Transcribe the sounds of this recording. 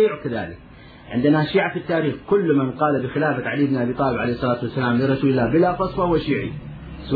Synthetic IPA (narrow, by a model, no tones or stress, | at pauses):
iːʕkaða̰ːlɪk | ʕɪnd̪ɪnaʃiːʕafit̪ːaːɾiːxkʊlːmɪnqɑːlabɪxɪlaːfat̪ʕaliːɪbnʔabiːt̪ˤɑːlɪbʕalejhsˤːɑlaːt̪wasːalaːmlərˤɑsuːlɪlːaːbɪlafɑsˤfahwaʃiːʕḭ | s